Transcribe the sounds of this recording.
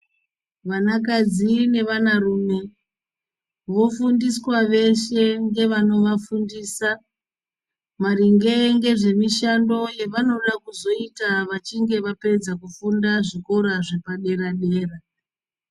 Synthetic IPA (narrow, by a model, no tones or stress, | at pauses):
ʋanak̬ad͡zine̞ʋanaruːme̞ | ʋo̞fundiswaʋe̞ʃe̞ŋɡe̞ʋano̞ʋafundiːsa | mariŋɡe̞ŋɡe̞ʐe̞miʃando̞jeʋano̞ɗakuzo̞itaʋat͡ʃiŋɡe̞ʋape̞d͡zakufundaʐiko̞ɾaʐe̞paɗe̞ɾaɗe̞ːra